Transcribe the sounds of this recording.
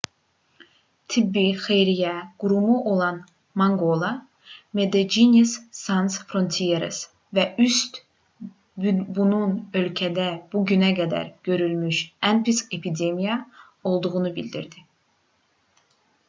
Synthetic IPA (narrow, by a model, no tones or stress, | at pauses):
t̪ʰibːixe̞jɾijæɡ̥uɾumuʔo̞lˠɑn | mɑŋɡolˠa | med̪ed͡ʒinʲesːɑnsfɾo̞nt̪ʰijeɾes | væyst̪ | bbununø̞lcʰæd̪æb̥uɟynæɡæd̪æ̰ɾɟ̥ø̞ɾylmyʃænpʰisepʰid̪e̞mija | o̞lˠd̪uʁunubilʲd̪ḭɾd̪i